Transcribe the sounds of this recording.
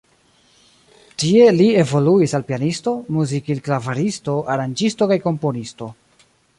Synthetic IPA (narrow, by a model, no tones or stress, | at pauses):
tie̞lie̞vo̞luisalpianisto̞muzikilklavaɾisto̞ʔaɾand͡ʒisto̞kajko̞mpo̞nisto̞